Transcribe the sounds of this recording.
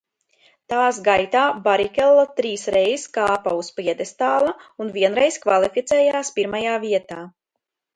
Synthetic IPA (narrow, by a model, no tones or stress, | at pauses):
t̪aːsɡajt̪aːbaɾikʲɛlˠːat̪ɾiːsɾɛjskaːpauspiɛd̪est̪aːlˠaunviɛnɾɛjskvalˠifit̪sɛjaːspiɾmajaːviɛt̪aː